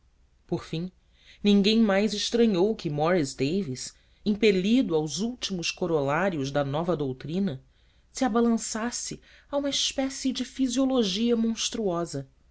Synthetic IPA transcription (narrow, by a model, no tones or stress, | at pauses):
poɾfĩ | nĩŋɡẽj̃majzɪʃt̪ɾɐ̃ɲowkɪmɔɾisd̪ejvis | ĩpelid̪ʊawzuwt͡ʃimʊskoɾolaɾjʊʒd̪ɐnɔvɐd̪owt̪ɾĩnɐ | siabalɐ̃sasɪ | aũmɐispɛsɪd͡ʒɪfizioloʒiɐmõʃt̪ɾuɔzɐ